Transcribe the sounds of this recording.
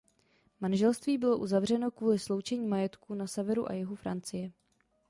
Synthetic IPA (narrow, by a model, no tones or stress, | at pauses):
manʒɛlst̪viːbɪlo̞ʔuzavr̝ɛno̞kvuːlɪslo̞wt͡ʃɛɲiːmajɛt̪kunasɛvɛɾuʔa̰jɪɦofɾant͡sɪjɛ